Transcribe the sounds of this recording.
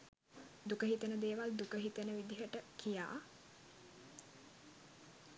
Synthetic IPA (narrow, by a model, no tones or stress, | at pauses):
d̪ukəɦit̪ənəd̪eːʋald̪ukəɦit̪ənəʋid̪iɦəʈəkija̰ː